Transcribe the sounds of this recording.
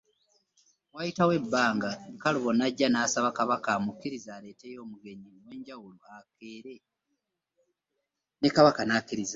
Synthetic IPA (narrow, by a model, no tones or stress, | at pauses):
wajitawe̞bːaːŋɡaŋkaluβo̞naɟːanaːsaβakaβakamukːiɾizaːle̞ːte̞jo̞ːmuɡe̞ɲimwe̞ːɲɟawuluakeːɾe̞ | nekaβakanaːkːiɾiza